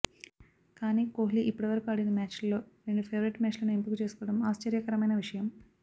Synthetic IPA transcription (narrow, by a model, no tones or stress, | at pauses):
kaːnikoːɦliʔipːuɽɐʋɐɾɐkuaːɽinɐmaːt͡ʃlːo̞ːɾeɳɖupʰeːʋɾiʈmaːt͡ʃlɐnempikut͡ʃe̞ːsu̥kuːɐɽɐmaːst͡ʃɐɾjɐkɐɾɐmɐjnɐʋiʂɐjɐm